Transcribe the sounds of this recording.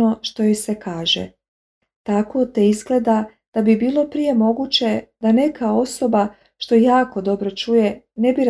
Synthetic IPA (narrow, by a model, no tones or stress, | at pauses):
o̞ʃt̪o̞jojsekaːʒḛ | t̪ako̞t̪e̞izɡle̞d̪a | d̪̥abibiːlˠo̞pɾije̞mo̞ɡut͡ɕe̞d̪ane̞kʰao̞so̞ba | ʃt̪o̞jaːko̞d̪o̞bɾo̞t͡ʃuje̞ne̞biɾ